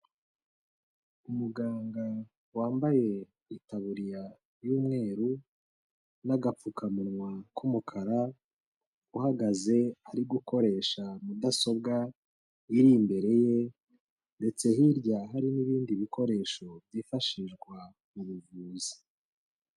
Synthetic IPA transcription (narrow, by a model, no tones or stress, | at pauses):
umuɡaːŋɡa | waːmbaje̞ | itaβuɾija | juːmŋe̞ːɾu | naɡap͡fukʰamunŋwakʰumukʰaɾa | uhaɡaze̞aɾiɡuko̞ɾe̞ːʃamudaso̞b̚ɡa | iɾimbe̞ɾe̞je̞ | nde̞t͡se̞hiɾɟaɦaɾiniβiːndiβikʰo̞ɾe̞ːʃo̞bjiːfaʃiʒɡwa | muβuvuːzi̥